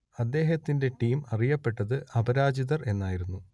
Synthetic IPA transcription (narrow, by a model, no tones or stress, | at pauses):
ɐd̪ːe̞ːɦɐt̪ːinde̞ʈiːmɐrijɐpːe̞ʈːɐðɨʔɐbɐɾaːd͡ʑiðɐre̞nːaːjiɾunːu